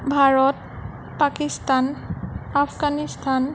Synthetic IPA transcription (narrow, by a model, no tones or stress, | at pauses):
bʱaɹɔt | pakistanapʰɡanistʰan